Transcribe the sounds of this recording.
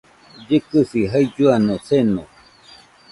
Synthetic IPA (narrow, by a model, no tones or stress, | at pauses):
d͡ʒɨkɨsiɦaid͡ʒuanõsenõ